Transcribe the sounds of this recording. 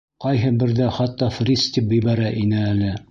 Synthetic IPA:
qɑjɦɤbɘ̆ɾðæχɑt̪ːɑfrʲist̪ip̚bɘ̆jβæɾæʔinɘælɘ

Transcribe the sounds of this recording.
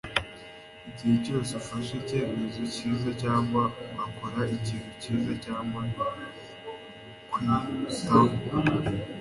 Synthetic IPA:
iciheco̞ːsefaʃece̞ːmezociːzacaːŋɡwaβakoɾaiciːn̥uciːzacaːŋɡa | kwitaβu

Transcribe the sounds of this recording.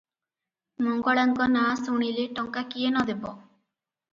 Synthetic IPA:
mɔŋɡɔɭaŋkɔnasuɽ̃ileʈɔŋkakijenɔd̪ebɔ

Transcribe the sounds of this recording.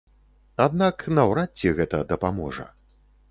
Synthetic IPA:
ad̪naknɐwɾat͡sʲːɛɣɛt̪ɐd̪ɐpamɔʐɐ̰

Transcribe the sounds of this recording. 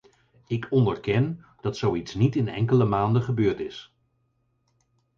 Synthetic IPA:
ɪkʰɔndəɹkɛn | d̥ɑtsowitsnitɪnɛ̰ŋkələmaːndəχəbøːɹtɪs

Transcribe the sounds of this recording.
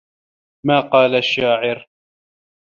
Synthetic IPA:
maːqɑːlaʃːaːʕɪɾ

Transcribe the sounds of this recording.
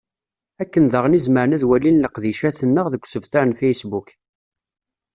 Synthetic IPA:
ækːənðəʁənizməɾnæðwælːinːəqðiʃæθənːəʁðəkʷːsəvθaɾnfejsbuk

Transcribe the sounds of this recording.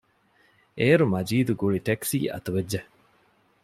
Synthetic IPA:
eːɾumɐd͡ʒiːd̪uɡuɭiʈeksḭːʔɐ̰t̪uʋed͡ʒːe

